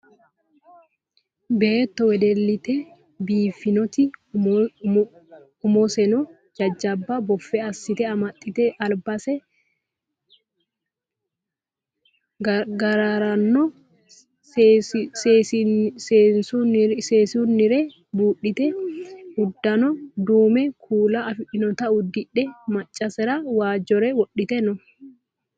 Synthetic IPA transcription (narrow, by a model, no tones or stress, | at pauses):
beːt̪ːɔwɛd̪ɛlːɪt̪ɛ | biːfːɪnɔt̪ɪ | ʊmɔsɛnɔ | d͡ʒɐd͡ʒːɐbːɐbɔfːɛɐsːɪt̪ɛɐmɐt̪ʼːɪt̪ɛʔɐlbɐsɛ | ɡɐɾaɾɐnːɔ | seːnsuseːsunːɪɾɛ | buːʔɪt̪ɛhʊd̪ːɐnɔd̪uːmɛkʰuːlaʔɐfɪᶑɪnɔt̪ɐʊd̪ɪᶑɛmɐt͡ʃʼːɐsɛɾawaːd͡ʒɔɾɛwɔɗːɪt̪ɛnɔ